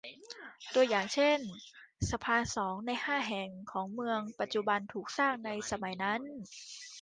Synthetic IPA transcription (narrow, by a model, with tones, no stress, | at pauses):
t̪u˧əjːaː˨˩ŋt͡ɕʰe˥˩nsa˧pʰaː˧sɔː˩˦ŋna˧jhaː˥˩ɦɛ˨˩ŋkʰɔː˩˦ŋmɯ˧əŋpa˨˩t̪̚t͡ɕu˨˧˩ba˧nt̪ʰuː˨˩k̚saː˥˩ŋna˧jsa˧ma˩˦jna˦˥n